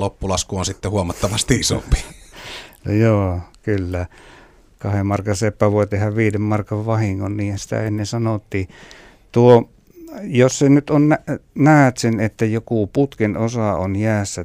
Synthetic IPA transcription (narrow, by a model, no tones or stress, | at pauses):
lopːulɑskuonsit̪ːehuomɑt̪ːɑʋɑst̪iiso̰mpi̥ | no̰joːkylːæ | kɑhemmɑrkɑnsepːæʋuoˑet̪ehɑʋʋiːdemmɑrkɑʋʋɑhiŋːonniːhæsi̥t̪æ̰enːesɑnot̪ːiː | t̪uo | jossenyt̪onnænæˑøt̪senet̪ːæjokuput̪kenosɑonjæːsːæ